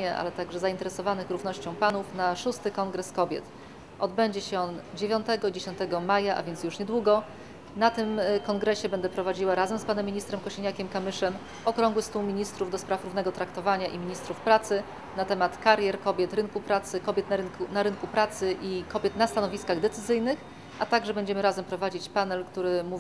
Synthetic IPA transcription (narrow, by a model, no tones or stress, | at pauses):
ɛʔa̰lɛt̪aɡʐɛzaint̪ɛɾɛsɔvanɘxɾuvnɔɕt͡ɕɔ̃w̃panufnaʂust̪ɘkɔŋɡɾɛskɔbʲjɛ̰t̪ | ʔɔd̪bɛɲd͡ʑɛɕɛɔnd͡ʑevʲjɔnt̪ɛɡɔid͡ʑeɕɔnt̪ɛɡɔmajaʔa̰vʲjɛntsjuʂɲɛd̪wuɡɔ | nat̪ɘmkɔŋɡɾɛɕɛbɛnd̪ɛpɾɔvad͡ʑiwaɾazɛmspanɛmʲːiɲist̪ɾɛmkɔɕeɲakʲɛmkamɘʂɛm | ɔkɾɔ̃ŋɡwɘst̪uwmʲiɲist̪ɾuvd̪ɔspɾafɾuvn̪ɛɡɔt̪ɾakt̪ɔvaɲaʔimʲiɲist̪ɾufpɾat̪sɘ | nat̪ɛmat̪kaɾʲjɛɾkɔbʲjɛt̪ɾɘnkupɾat̪sɘkɔbʲjɛt̪nanaɾɘnkupɾat̪sɘʔikɔbʲjɛt̪nast̪anɔvʲiskaɣd̪ɛt̪sɘzɘjnɘx | ʔat̪aɡʐɛbɛɲd͡ʑɛmɘɾazɛmpɾɔvad͡ʑit͡ɕpanɛlkt̪uɾɘmuvʲ